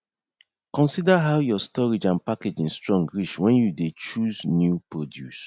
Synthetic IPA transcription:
kɔ̃nsidaɦaʊjɔstɔɹid͡ʒãnpaked͡ʒĩnstɹɔ̃ŋɡɹit͡ʃwɛ̃njudet͡ʃuznjupɹɔdjṵs

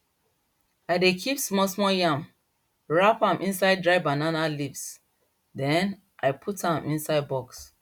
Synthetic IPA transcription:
aɪdekʰipsmɔsmɔjãm | ɹapãmʔĩnsaɪd̚dɹaɪbananalips | dɛ̃n | ʔaɪpʰutãmĩnsaɪd̚bɔks

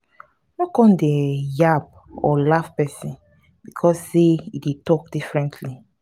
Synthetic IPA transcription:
nɔkɔ̃ndejab̚ | ɔ̰lafpɛsĩn | bikʰɔsːeidetɔkd̥ifɹɛ̃ntʰli

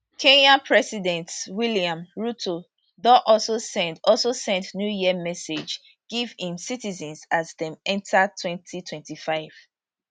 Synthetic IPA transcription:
kʰẽnãnpʰɹɛsidɛ̃ntwiliãmɹutʰo | dɔʔɔlsosɛ̃ndɔlsosɛ̃ntnjujiəmɛsed͡ʒ | ɡ̥ivhĩmsitizɛ̃nsazðɛ̃mɛ̃ntʰatʰwɛ̃ntʰitʰwɛ̃ntifaɪv̥

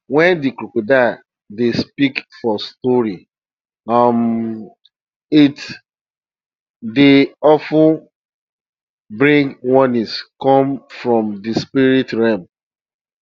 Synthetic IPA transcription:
wɛ̃ndikɾukoda | despikfɔstɔɹi | am | it | deɔfu | bɹĩŋɡwɔniskɔ̃mfɹɔ̃mdispiɾitɹɛ̃m

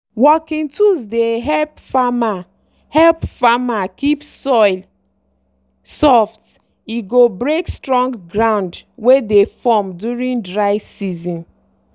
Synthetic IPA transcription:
wɔkĩntuzdeɦɛlpfama | hɛlpfamakipsɔɪl | sɔft | iɡobɾekstɹɔ̃ŋɡɡɾãʊ̃ndwedefɔmdjuɾĩŋdɹaɪsizɔ̃n

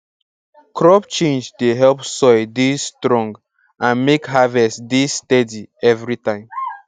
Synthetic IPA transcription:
kɹɔpt͡ʃẽnd͡ʒdeɦɛlpsɔɪdisstɹɔ̃ŋɡ | ãnmekɦavɛstdisːtɛdiɛvɹitãɪ̃m

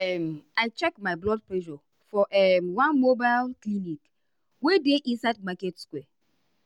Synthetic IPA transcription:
ɛmaɪt͡ʃɛkmaɪblɔd̚plɛʃɔ | fɔʔɛmwãnmobaɪlklinik | wedeʔĩnsaɪd̚makɛtskwɛ

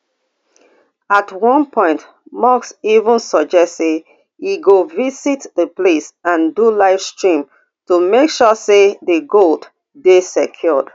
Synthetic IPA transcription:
atwɔ̃npʰɔ̃ɪ̃nt | mɔksivə̃nsɔd͡ʒɛstse | iɡovisitdəplesãndulaɪfstɹĩm | tumekʃɔsedəɡold | besekʰjɔd̥

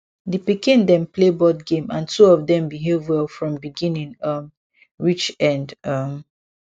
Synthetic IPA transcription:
dəpikĩndɛ̃mplebɔdɡẽmã̰ntʰuɔvdɛ̃mbiɦevɔlfɹɔ̃mbiɡĩnĩŋʌm | ɹit͡ʃɛ̃ndʌm

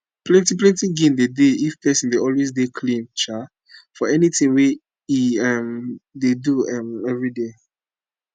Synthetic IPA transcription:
plɛ̃ntiplɛ̃ntĩɡĩndedeifpʰɛsɔ̃ndeɔlwezdekʰlĩmt͡ʃa | fɔɛnitĩŋwɛ | iɛmdeduɛmɛvɹide

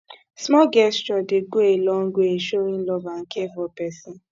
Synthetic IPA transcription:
smɔɡɛst͡ʃɔdɪɡoelɔŋ̩ɡʷeeʃoɾin̩lɔvaŋ̩kevɔpɛsi

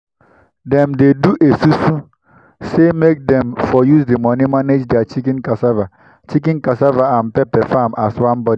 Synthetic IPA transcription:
dɛmdeduʔesusu | semek̚dɛ̃mfɔjusdimɔnimaned͡ʒdeat͡ʃikĩnkasava | t͡ʃik̬ĩnkasavaãnpɛpɛfamʔaswãnbɔdi

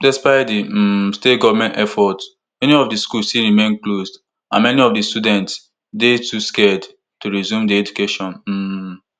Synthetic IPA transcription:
dɛspaɪtdistetɡɔvmɛ̃ntɛfɔt | mɛniɔfdiskulstiɹimẽnklosd | ãnmɛniɔfdistudɛ̃nts | detuskɛd | tuɹizjũmdiɛd͡ʒukeʃɔ̃n̩

